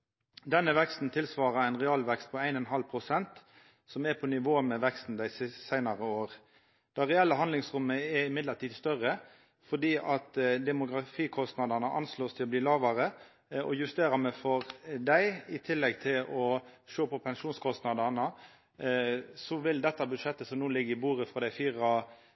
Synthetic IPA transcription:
d̪ɛnːəʋɛkst̪n̩t̪ʰɪlsʋɑːɾɑæɪnʁɛɑːlʋɛkst̪̚pʰɔæɪnɛnɦɑlpʰɾʊsɛnt̪ | sɔmɛpʰɔnɪʋoːəmɛʋɛkst̪n̩d̪æɪssæɪnɑʁəoːʁ | d̪̥ɑːʁɛɛlːəɦɑnɪŋsʁʊmːəɛɾɪmɪd̪ləʈ̪iːd̪st̪œʁə | fɔd̪iːʔɑt̪d̪ɛmʊɡʁɑfiːkʰɔst̪nɑd̪ɑnəʔɑ̰nsloːst̪ʰɪlɔbliːlɑːʋɑɾə | ɔ̰jʉst̪eːɾɑmɛfɔʁd̪æɪɪt̪ʰɪlːɛɡt̪ʰɪlʔɔʂoːpʰɔpʰɛnʂuːnskʰɔst̪nɑd̪ɑnə | sɔʋɪld̪ɛt̪ːɑbʉd̪ʂɛt̪ːəsɔmnuːlɪɡːəɾɪbuːɾəfɾɑd̪æɪfiːʁɑ

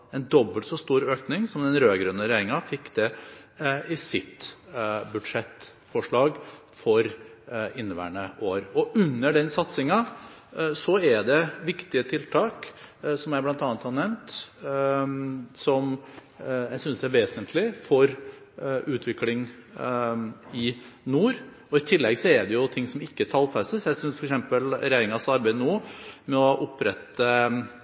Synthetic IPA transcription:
ɛnd̪ɔbːəlt̪sɔst̪uːɾøːknɪŋsɔmd̪ɛnɾøːɡɾʉnːəɾɛjeːɾɪŋɑfɪkːd̪ɛ | ɪsɪt̪ | bʉd̪ʂɛt̪ː | fɔʂɭɑːɡ | fɔɾɪnːəʋæ̰ːɳəʔoːɾɔʉnːəɖɛnsɑt̪sɪŋɑ | sɔæɖɛʋɪkt̪ɪət̪ʰɪlt̪ʰɑːksɔmjæɪblɑnt̪ɑːnət̪hɑnɛʋnt̪ | sɔm | jæɪsʏnsd̪æɾʋeːsənt̪ʰlɪfɔɾ | ʉːt̪ʰʋɪklɪŋ | ɪ | nuːɾ | ɔɪt̪ʰɪlːɛɡsɔɛɖɛjʊt̪ʰɪŋːsɔmɪkːət̪ʰɑlfɛst̪əsjæɪsʏnsfɔɾɛksɛmpəlɾɛjeːɾɪŋɑsɑɾbæɪd̪nuːmɛɔʔʊpɾɛt̪ːə

